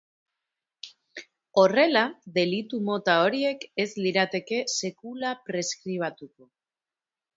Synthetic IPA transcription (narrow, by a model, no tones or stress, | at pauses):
o̞re̞laðe̞lit̪umo̞t̪ao̞ɾie̞ke̞zliɾat̪e̞ke̞se̞kulapɾe̞skɾiβ̞at̪uko̞